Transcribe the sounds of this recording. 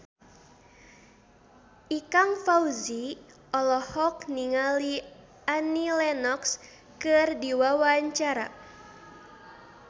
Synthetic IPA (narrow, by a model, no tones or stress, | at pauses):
ʔikaŋfauzi | ʔɔlɔhɔkniŋali | ʔanilɛnɔks | kɨrdiwawaɲt͡ʃaɾa̰